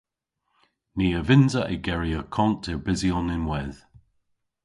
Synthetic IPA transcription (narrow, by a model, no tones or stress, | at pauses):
niːəvɪnzəʔɪɡɛɹiəkʰɔntʰɪbɪziɔnɪnwɛð̥